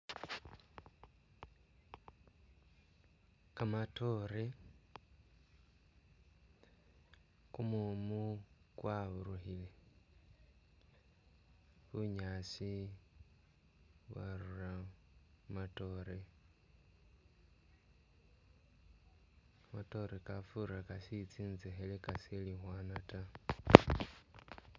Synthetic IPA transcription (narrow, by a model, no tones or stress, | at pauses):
kamato̞ɾe | kumumukwaβuɾuhile | βuɲaːsi | βwa̰ɾura | mato̞ɾe | mato̞ɾekafuɾakasit͡siːnzexelekaselixwaːnata